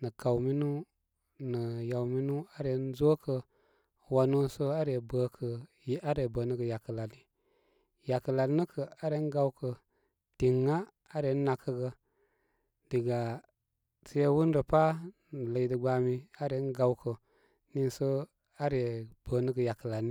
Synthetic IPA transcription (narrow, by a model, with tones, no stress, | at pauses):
nə˨ka˨wmi˦nu˦ | nə˨ja˨wmi˦nu˦a˦ɾe˨˦n˦zo˦kə˧ | wa˨no˦sə˦a˦ɾe˨bə˨kʰə˨˦ | a˦ɾe˨bə˨nə˦ɡə˨ja˨kə˨la˨ni˨ | ja˨kə˨la˨n˦nə˦kʰə˨a˦ɾe˨˦ɡa˦wkə˨ | ti˨ŋːa˦ | a˦ɾe˨˦n˦na˨kə˦ɡə˧ | d̥i˨ɡa˨ | sə˦jwu˦n˦ɾə˨pa˦n˨lə˨i˨də˨ɡ͡ba˨mi˦a˦ɾe˨˦n˦ɡa˨wkə˨ | ni˦nsə˦ | a˦ɾe˨b̥ə˨˦nə˦ɡə˨ja˨kə˨la˨ni˦